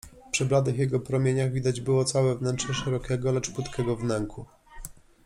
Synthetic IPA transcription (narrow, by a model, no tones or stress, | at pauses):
pʂɘblad̪ɘxjɛɡɔpɾɔmʲjeɲaɣvʲid̪ad͡ʑbɘwɔt̪sawɛvnɛntʂɛʂɛɾɔkʲɛɡɔlɛt͡ʂput̪kʰʲɛɡɔvnɛŋkʰu